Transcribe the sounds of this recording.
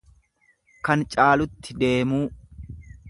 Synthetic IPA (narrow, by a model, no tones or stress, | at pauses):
kɐnt͡ʃʼaːlʊt̪ːɪd̪e̞ːmuː